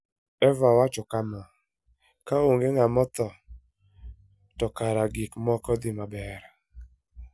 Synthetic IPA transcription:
ɛvawat͡ʃɔkama | kaoŋɡeŋamɔt̪ɔ | tɔkaɾaɡikmɔkɔd̪ɪmabɛɾ

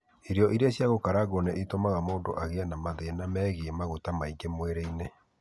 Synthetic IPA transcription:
iɾjɔʔiɾeaɕjaɣokaɾaɡɔnɛʔitomaɣamoːndo̰ʔaɣeanamaðenamɛːɣemaɣotamaiŋɡemweɾeine

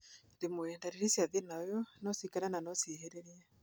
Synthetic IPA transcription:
demoɛndaɾeɾisjaðenaɔjɔnɔsikaɾananɔsiheɾɛɾia

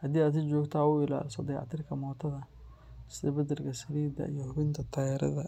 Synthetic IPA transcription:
hɐd̪iːaːd̪sɪt͡ʃɔːɡt̪ʰaːʊɪla̰ːlɪsɐd̪ɛːʕɑ̰t̪ʰɪrkʰɐmɔːt̪ʰɐðɐ | sɛbɐd̪ɪrkʰɐsɐɾiːd̪ɐ̰ijɞhʊβɪnt̪ʰɐt̪ʰɐjɛɾɐ̰ðɐ

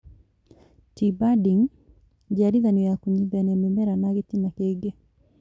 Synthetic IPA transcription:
tibadiŋ | d͡ʒaɾiðanijakuɲibanɛmɛmɛɾanaɣit̪inakɛɡɛ

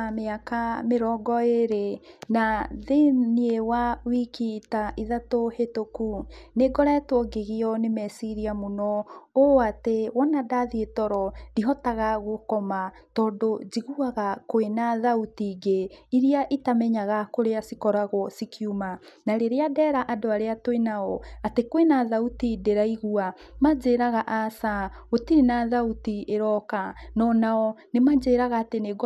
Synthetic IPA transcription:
ameakameɾɔːɡɔeɾenaðeniewawikitaʔiðatohetokuneɡɔɾɛtwɔɡeɣiɔnemɛsiɾiamonɔoatewɔnadaðietɔɾɔdiɦɔtaɣaɣokɔmatɔːndod͡ʒiɣuaɣakoenaðautiɡeiɾiaʔitamɛɲaɣakoɾeasikɔɾaɣɔsikʰiumanaɾeɾeadɛɾaʔadoaɾeatoenaɔatekwenaðautideɾaiɣua | mad͡ʒeːɾaɣaʔasaotiɾenaðautieɾɔkanɔnaɔnemad͡ʒeːɾaɣaːteneɡ

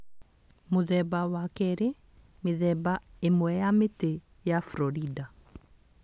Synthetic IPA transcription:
moðɛbawakɛɾe | meðɛbaemwɛjamete | jafɾɔɾida

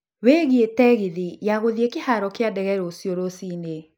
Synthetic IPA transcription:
weɣietɛɣɪðɪjaɣoðiekɪhaɾɔkɪadɛɣɛɾosjoɾosine

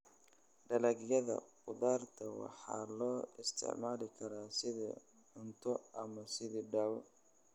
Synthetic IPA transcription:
ɖɐlɐɣjɐðɐ̰qʊðaːrt̪ʰɐwɑ̰ħɑ̰ːlɔːɪst̪ʰɪ̰ʕmaːlɪkʰɐɾaːsɪðɐ̰ | ʊnt̪ʰɔʔɐmɐsɪðiɖaːwɔ

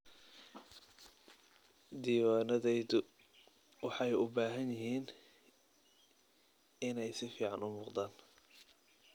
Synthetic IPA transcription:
d̪iːwaːnɐðɛjðʊ | wɑħɑjʊbaːɦɐnjɪɦiːn | ɪnɛjsɪfiːʕɑnʊmuːqd̪aːn

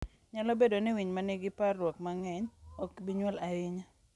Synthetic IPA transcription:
ɲalɔbedonɪwiɲmaniɡɪparwɔk̚maŋɛɲɔkbiɲwɛlaɪɲa

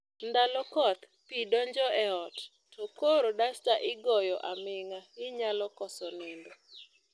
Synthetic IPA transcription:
nd̪alɔkɔt̪ | pidɔɲd͡ʒɔɛɔt | tʰɔkoɾodastaʔɪɡɔjɔʔamɪŋaɪɲalɔkɔsɔnɪndɔ

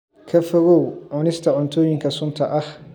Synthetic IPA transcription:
kʰɐfɔɣɔwʕʊnɪst̪ʰɐʕʊnt̪ʰɔːjɪŋkʰɐsʊnt̪ʰɐʔɐh

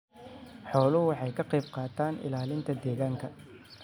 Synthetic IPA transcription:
ħɔːlʊɦʊwɑħɑjkʰɐqɛjbqɑːt̪ʰaːnʔɪ̰laːlɪnt̪ʰɐd̪ɛːɣaːŋkʰɐ

